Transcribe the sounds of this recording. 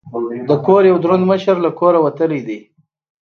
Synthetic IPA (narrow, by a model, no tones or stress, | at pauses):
d̪əkoɾjawd̪ɾond̪məʃəɾlakoɾawat̪əlid̪i